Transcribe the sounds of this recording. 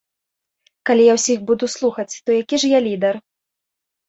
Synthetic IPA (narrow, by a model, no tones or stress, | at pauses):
kalʲijawsʲixbud̪uslˠuxɐt͡sʲt̪ɔjakʲiʐjalʲid̪ɛr